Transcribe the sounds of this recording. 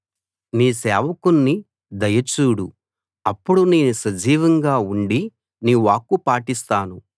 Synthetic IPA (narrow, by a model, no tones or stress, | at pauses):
niːsɛːʋɐkunːi | d̪ɐjɐt͡ʃuːɽu | ɐpːuɽuneːnusɐd͡ʒiːʋɐŋɡaːuɳɖi | niːʋaːkːupaːʈist̪aːnu